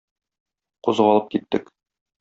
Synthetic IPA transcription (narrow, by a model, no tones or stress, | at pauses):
quzʁɑlˠɤp̚kit̪ːɘk